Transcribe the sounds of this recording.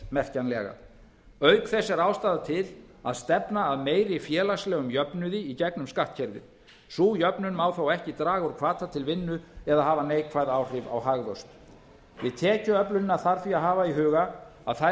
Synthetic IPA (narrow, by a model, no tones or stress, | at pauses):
mɛr̥canlɛ̰ɣa̰ | œɥkθɛsːɛɾaːwst̪aːðat̪ʰɪl | aðst̪ɛpnaːðmeːjɾɪfjɛːlaslɛːɣʏmjœpnʏðɪicɛknʏmskaht̪̚cʰɛɾðɪ̰ | suːjœpnʏnmaːwθawɛhcɪt̪ɾaːɣɔɾkʰv̥aːt̪at̪ʰɪlvɪnːʏɛðahɦaːvaneːjkʰvajðaːwr̥ɪva̰whaɣðœwst̪ | vɪ̰ðt̪ʰɛːcʏœplʏnɪnːaθaɾ̥θviaɦaːvaiɦʏːɣaa̰ðθa